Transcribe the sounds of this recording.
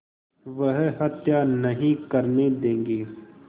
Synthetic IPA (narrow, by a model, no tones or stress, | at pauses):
ʋɐɦɦɐt̪janɐɦĩkɐɾned̪ẽːŋɡeː